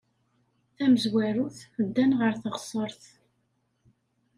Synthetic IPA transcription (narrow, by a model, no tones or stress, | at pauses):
θæməzwæɾuθəd̪ːænʁəɾθəʁsˤəɾˤθ